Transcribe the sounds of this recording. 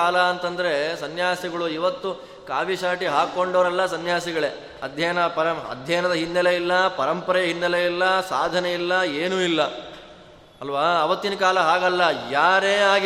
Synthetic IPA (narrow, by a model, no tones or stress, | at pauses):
aːlɐːnt̪ɐnd̪ɐɾe̞sɐnjaːsiɡɐɭuiʋɐt̪ːu | kaːʋiʃaːʈiɦaːkoɳɖɐʋɐɾɐlːɐsɐnjaːsiɡɐɭe | ɐd̪ʱjɐjnɐpɐɾɐɐ̰d̪ʱjɐːɐnɐd̪ɐɦind̪ɐleilːɐpɐɾɐmpɐɾɐjɐɦind̪ɐleilːɐsaːd̪ʱɐneilːɐeːnuilːɐ | ɐlʋaːʋɐt̪ːinɐkaːlɐɦaːɡɐlːɐjaːɾe̞ːaːɡ